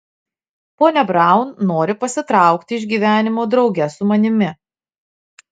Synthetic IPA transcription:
poːnʲɛbɾɑˑʊnnoːɾʲɪpɐsʲɪt̪ɾɑˑʊkt̪ʲɪɪʒɡʲiːʋʲæːnʲɪmoːd̪ɾɒʊɡʲɛsʊmɐnʲɪmʲɪ

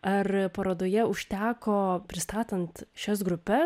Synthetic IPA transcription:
ɐrpɐɾɐd̪oːjɛʊʃʲt̪ʲæːkoːpʲɾʲɪst̪ɑːt̪ɐnt̪ʃʲɛs̬ɡɾʊpʲɛ

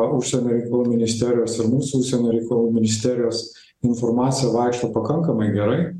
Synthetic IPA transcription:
ʊʃʲsʲɛnʲoːɾʲɛɪkɐlˠuːmʲɪnʲɪsʲt̪ʲæːɾʲɪjoːsɪɾmuːsuʊʃʲsʲɛnʲoːɾʲɛɪkɐlˠuːmʲɪnʲɪsʲt̪ʲæːɾʲɪjoːs | ɪnfoːɾmɑːt̪sʲɪjɛʋɑˑɪkʃt̪opɐkɐŋkɐmɐɪɡʲɛɾɐɪ

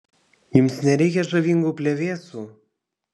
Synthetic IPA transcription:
jʊmsnʲɛɾʲɛɪkʲɛʒɐʋʲiŋɡuːpʲlʲeʋʲeːsuː

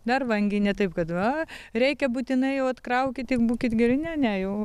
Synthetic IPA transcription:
d̪ɐrʋɐŋʲɡʲɪnʲɛt̪ɐɪpkɐt̪ʋɐrʲɛɪkʲɛbuːt̪ʲɪnɐɪjɛʊɐt̪kɾɐʊkʲɪt̪ɪkbuːkʲɪt̪ɡʲɪrʲɪnʲɛnʲɛjɛʊ

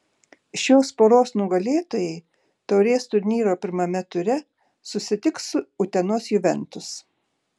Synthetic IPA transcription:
ʃʲjoːspoːɾoːsnʊɡɐlʲeːt̪oːjɛɪ | t̪ɐʊɾʲeːst̪ʊɾʲnʲiːɾoːpʲɪɾmɐmʲɛt̪ʊɾʲɛ | sʊsʲɪt̪ʲɪksʊʊt̪ʲɛnoːsjʊʋʲɛnt̪ʊs

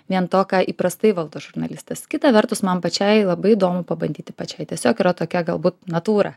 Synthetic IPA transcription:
ʋʲiɛnt̪oːkɑʔiːpɾɐst̪ɐɪʋɐlˠd̪oːʒʊrnɐlʲɪsʲt̪ʲɛskʲɪt̪ɐʋʲɛrt̪ʊsmɐmpɐt͡ʃʲɛɪlˠɐbɐɪid̪oːmʊpɐbɐnʲd̪ʲiːt̪ʲɪ̥pɐt͡ʃʲɛɪt̪ʲiɛsʲoːkiːɾɐt̪oːkʲɛɡɐlˠbuːt̪nɐt̪uːɾɐ

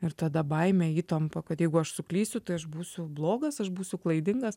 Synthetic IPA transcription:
ɪɾt̪ɐd̪ɐbɐɪmʲɛiːt̪ɐmpɐkɐt̪jɛɪɡʊɐʃsʊklʲiːsʲʊt̪ɐɪɐʃbuːsʲʊblˠoːɡɐsɐʃbuːsʲʊklˠɐɪd̪ʲɪŋɡɐs

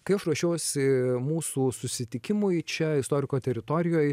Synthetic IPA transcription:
kɐɪɐʃɾɐʃʲoːʊsʲɪmuːsuːsʊsʲɪt̪ʲɪkʲɪmʊjt͡ʃʲɛɪst̪oːɾʲɪkoːt̪ʲɛɾʲɪt̪oːɾʲɪjoːj

